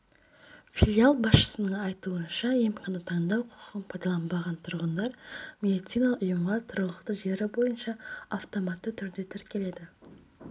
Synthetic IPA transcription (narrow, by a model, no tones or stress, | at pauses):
fʲilʲialˠbɑsʃə̥sənəɴɑjt̪uənʃɑje̞mqʰɑnət̪ʰɑɴd̪ɑwqʰʊ̥qənpʰɑjd̪ɑlˠɑmbɑʁɑnt̪ʰʊɾʁənd̪ɑɾmʲe̞d̪ʲit̪sijnɑlˠʊjəmʁɑt̪ʰʊɾəlˠəqt̪əʒe̞ɾɪbo̞jənʃɑaft̪o̞mɑt̪ːət̪ʰʏɾd̪e̞t̪ʰʏɾkʲe̞le̞d̪ɪ